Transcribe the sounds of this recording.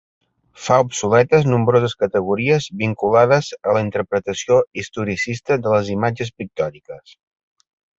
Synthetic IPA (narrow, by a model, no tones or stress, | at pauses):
faupsulɛt̪əznumbɾozəskət̪əɣ̞uɾiəzβiŋkulaðəzələint̪əɾpɾət̪əsioist̪uɾisist̪əðələzimad͡ʒəspik̚t̪ɔɾikəs